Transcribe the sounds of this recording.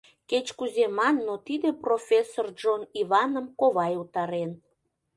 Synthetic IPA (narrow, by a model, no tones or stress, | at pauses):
ket͡ɕkuzemɑnːot̪id̪eprofʲesord͡ʒoniβɑnəmkoβɑjut̪ɑɾen